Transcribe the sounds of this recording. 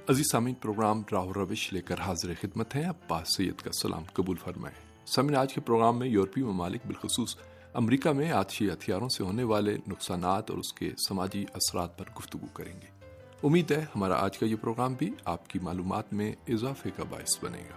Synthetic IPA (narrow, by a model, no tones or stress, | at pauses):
ɐziːzsaːmiːnpɾoːɡɾaːmɾaːɦʊɾːɐʋɪʃleːkəɾɦaːzɪɾexɪd̪mət̪ɦɛ̃ɐbːaːsɐjːə̰t̪ka̰sɐlʔa̰ːmkɐbuːlfɐɾma̰ːe | saːmiːnaːd͡ʒkepɾoːɡɾaːmːẽjoːɾpimɐmaːlɪk̚bɪlxʊsuːs | ɐ̰mɾiːkamẽaːt̪ʃiɦɐt̪ʰijaːɾõseɦoːneʋaːlenʊqsaːnaːt̪ɔ̰ːɾʊskḛsɐmaːd͡ʒiʔɐsɾaːt̪̚pɐɾɡʊft̪ʊɡukɐɾḛ̃ːŋɡeː | ʊmːiːd̪ɦɛhɐmaːɾa̰ʔa̰ːd͡ʒkajepɾoːɡɾaːmbʱiaːpkimaːluːma̰ːt̪mẽɪzaːfekaba̰ːɪsbɐ̰nḛ̃ːɡaː